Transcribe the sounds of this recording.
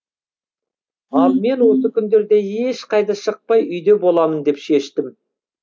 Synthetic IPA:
ɑlˠme̞nwo̞səkʲʰʏnd̪e̞ɾd̪e̞e̞ʃqɑjd̪ɑʃəq̚pɑjʏjd̪e̞bo̞lˠɑmənd̪e̞pʃe̞ʃt̪ɪm

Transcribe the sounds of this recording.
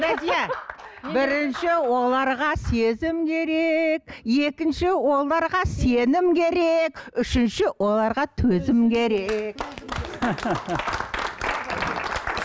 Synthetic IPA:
ɾad̪ijabɪɾɪnʃɪwo̞lˠɑɾʁɑse̞zɪmkʲʰe̞ɾe̞k̚je̞kʲɪnʃɪwo̞lˠɑɾʁɑse̞nɪmkʲʰe̞ɾe̞kʏʃɪnʃɪwʔo̞lˠɑɾʁɑt̪ʰɵzɪmkʲʰe̞ɾek

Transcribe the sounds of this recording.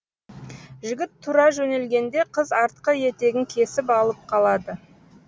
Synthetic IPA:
ʒʏɡʲɪt̪ʰːuɾɑʒɵne̞lɡʲe̞nd̪e̞qʰəzɑɾt̪̚qəje̞t̪e̞ɡʲɪŋkʲʰe̞sɪpɑlˠəp̚qʰɑlˠɑd̪ə

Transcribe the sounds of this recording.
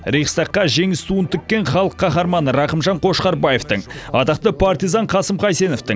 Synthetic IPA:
ɾejqst̪ɑqːɑʒe̞ŋɪst̪uənt̪ʰʏkʲːe̞ɴχɑlˠəqʰːɑχɑɾmɑnəɾɑqəmʒɑɴqʰo̞ʃqɑɾbɑjeft̪əɴɑt̪ɑqt̪əpʰaɾt̪ijzɑɴqʰɑsəmqʰɑjse̞no̞ft̪ɪŋ

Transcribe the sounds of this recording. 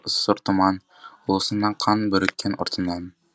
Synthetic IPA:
ŏsːɤɾt̪umɑn | ulˠɤ̆sɤ̆nːɑqʰɑnbɵ̆ɾɵ̆kʲʰːæno̰ɾt̪ʰɤ̆nd̪ɑn

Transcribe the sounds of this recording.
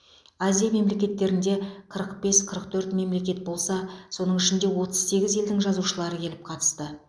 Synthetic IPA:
azijame̞mle̞kʲe̞t̪ːe̞ɾɪnd̪e̞qʰəɾəq̚b̥e̞sqʰəɾəq̚t̪ʰɵɾt̪me̞mle̞kʲe̞t̪̚bo̞lˠsɑso̞nəɴɪʃɪnd̪e̞wo̞t̪əzse̞ɡʲɪze̞ld̪ɪŋʒɑzuʃəlˠɑɾəkʲʰe̞lɪp̚qʰɑt̪ə̥st̪ə

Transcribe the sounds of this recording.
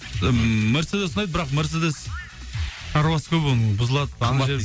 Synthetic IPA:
mɪɾsed̪esənɑjd̪əbɪɾɑqmɪɾs̬ed̪es | ʃʰɑɾwɑsə̥kʲʰɵponəbʊzəlˠɑd̪əd̪ɑʒe

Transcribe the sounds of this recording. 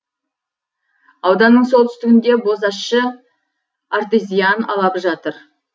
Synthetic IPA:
ɑwd̪ɑnːəɴso̞lˠt̪ʏ̥st̪ɪɡʲɪnd̪e̞bo̞zɑʃə | art̪ejzʲijanɑlˠɑpʒɑt̪əɾ

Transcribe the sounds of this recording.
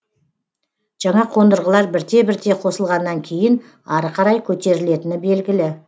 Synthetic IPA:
ʒ̥ɑɴɑqʰo̞nd̪əɾʁəlˠɑɾbɪɾt̪e̞bɪɾt̪e̞qʰo̞səlˠʁɑnːɑŋkʲʰe̞jɪn | ɑɾəqʰɑɾɑjkʲʰɵt̪e̞ɾɪle̞t̪ɪnɪbe̞lɡʲɪlɪ

